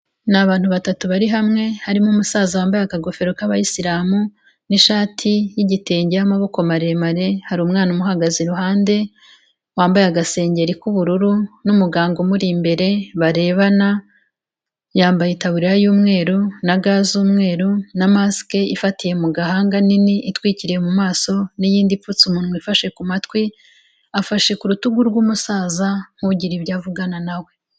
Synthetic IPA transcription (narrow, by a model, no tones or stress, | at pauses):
naβaːnhuβatatuβaɾiɦamŋe̞haɾimumusaːzawaːmbajakaɡo̞fe̞ɾo̞kaβajisiɾaːmu | niʃaːtʰijiɟite̞ːɲɟejamaβo̞ko̞maɾe̞maɾe̞haɾuːmŋaːnumuɦaɡaziɾuɦaːnde̞ | waːmbajaɡase̞ːɲɟe̞ɾikuβuɾuɾunumuɡaːŋɡo̞muɾiːmbe̞ɾe̞βaɾe̞ːβana | jaːmbajetaβuɾiɾajuːmŋe̞ːɾunaɡaːzuːmŋe̞ːɾunamaske̞ifatije̞muɡaɦaːŋɡaniniʔitwiːciɾijemumaːso̞nijiːndifut͡sumuːnhmuifaʃe̞kumatwi | afaʃe̞kuɾutuɡuɾɡwumusaːzaŋ̥uɟiɾibjaːvuɡananawe̞